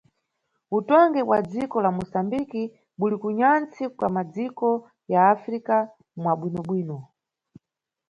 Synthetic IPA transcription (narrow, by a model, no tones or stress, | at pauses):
utɔŋɡɛwad͡zikɔlamusambiki | ɓulikuɲant͡sikwamad͡zikɔ | jaːfɾika | mwaɓwinɔɓwiːnɔ